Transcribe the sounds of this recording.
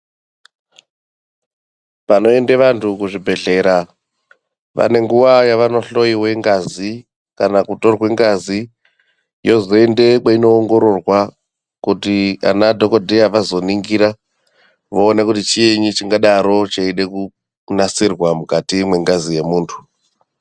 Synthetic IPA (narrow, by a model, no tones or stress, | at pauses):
pano̞endeʋantʰukuʐibʱe̞ɮe̞ːɾa | ʋa̰ne̞ŋɡuʋajaʋano̞ɬo̞iwe̞ŋɡazi | kanakuto̞rwe̞ŋɡazi | jo̞zo̞ende̞kaino̞ːŋɡo̞ɾo̞rwa | kutia̰nadʱokodʱejaʋazo̞niŋɡiɾa | ʋoːnekutit͡ʃijeɲut͡ʃiŋɡaɗaɾo̞t͡ʃaiɗeku | nasirwamukatimwe̞ŋɡazije̞muːntʰu̥